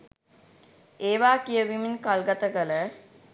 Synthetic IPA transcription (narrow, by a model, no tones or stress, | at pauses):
eːʋaːkijəʋiminkalɡat̪əkələ